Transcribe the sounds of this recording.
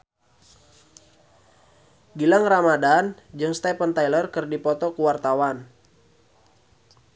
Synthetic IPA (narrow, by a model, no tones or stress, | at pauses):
ɡilaŋramadand͡ʒɨŋst̪ɛpənt̪ajlərkɨrdipɔt̪ɔkuwart̪awan